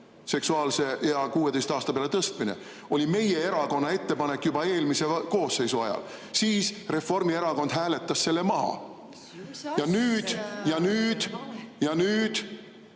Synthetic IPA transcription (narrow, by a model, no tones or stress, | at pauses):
se̞ksuɑːlse̞jɑkuːe̞d̪ejst̪ɑːst̪ɑpeɑlet̪ɤst̪minḛ | o̞lʲime̞je̞e̞ɾɑko̞nːɑe̞t̪ːe̞pɑne̞kːˑjubɑe̞ːlmise̞ko̞ːsːe̞jsuɑ̰jɑ̰l | siːsre̞fo̞rmie̞ɾɑko̞nd̪ɦæːle̞t̪ːˑɑsːe̞lːe̞mɑɦɑ̰ | jɑnyːd̪̥jɑnyːd̪̥jɑnyːd̪̥